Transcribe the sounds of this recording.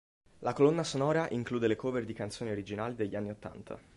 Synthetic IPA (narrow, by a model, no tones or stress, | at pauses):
lakolonːasonɔːɾaʔiŋkluːd̪elekoːveɾd̪ikant̪soːnioɾid͡ʒinaːlid̪eʎːianːiot̪ːa̰nt̪ʰa̰